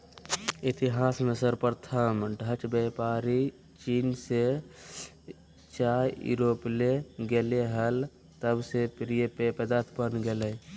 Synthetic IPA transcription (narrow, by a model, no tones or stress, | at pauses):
it̪iɦaːsmesəɾpəɾt̪ʰəmɖʱət͡ʃbepaɾi | t͡ʃinse | t͡ʃajjṵɾopleɡeleɦəl | t̪əbsepɾijepepəd̪at̪ʰpənɡeləj